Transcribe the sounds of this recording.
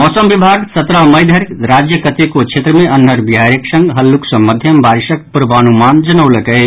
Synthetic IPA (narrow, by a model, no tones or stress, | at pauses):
mɔːsəmʋibʱaːɡsɐt̪ɾamɐjd̪ʱəɾɾaːd͡ʒjəkət̪ekot͡ʃʰet̪ɾəmẽʔɐn̤ːɦəɾbiɦaɾəksə̃ŋɡɦɐlːuksəmɐd̪ʱjəmbaɾʃək̚puɾbanumaːnd͡ʒɐnəwləkə